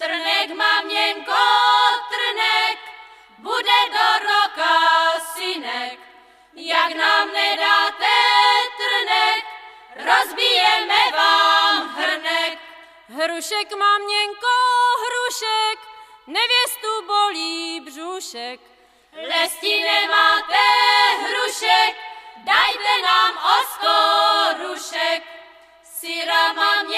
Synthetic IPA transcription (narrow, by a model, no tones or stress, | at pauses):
t̪̩nɛkmaːmɲɛŋkot̪r̩nɛk | budɛdoɾokasɪnɛk | jaknaːmnɛdaːt̪ɛt̪r̩nɛk | ɾozbijɛmɛvaːmɦr̩nɛk̚ | ɦɾuʃɛkmaːmɲɛŋkoɦɾuʃɛknɛvjɛst̪uboliːbruʃɛk | lɛscɪnɛmaːt̪ɛɦɾuʃɛk̚dajt̪ɛnaːmost̪oɾuʃɛk̚ | sɪɾamamɲ